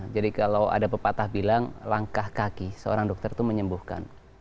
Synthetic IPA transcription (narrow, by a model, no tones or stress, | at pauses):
d͡ʒadikalawa̰dapəpat̪ahbilaŋlaŋkahkakisəo̰ɾaŋdɔk̚t̪ərt̪uməɲəmbuhka̰n